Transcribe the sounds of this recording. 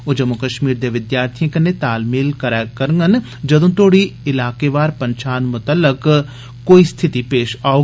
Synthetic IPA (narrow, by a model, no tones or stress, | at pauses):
od͡ʒəmːukəʃmiːɾd̪eʋɪd̪jaːɾt̪ʰijẽkənːet̪aːlmiːlkəɾaːkəɾŋɡən | d͡ʒɐd̪õːt̪ʰoːɽiɪlaːkeʋaːɾpəɲt͡ʃaːnmʊt̪əlːək | koːist̪ʰɪt̪ipeːʃaːo